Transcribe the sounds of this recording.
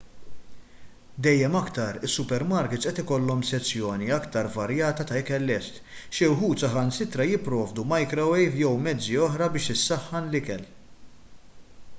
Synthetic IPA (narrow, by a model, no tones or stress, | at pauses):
d̪ɛjːɛmɐkt̪ɐɾɪsːʊpɛɾmɐɾkɪt̪sʔɛt̪ɪkɔlːɔmsɛt͡sːjɔːniɐkt̪ɐɾvɐɾjɐːt̪ɐt̪ɐɪkɛlːɛst̪ | ʃɪwħuːt̪sɐħɐnsɪt̪ɾɐjɪpːɾɔːvd̪umɐjkɾɐwɛjvjɛwmɛd͡zːiɔħɾɐbɪːʃɪsːɐħːɐnlɪkɛl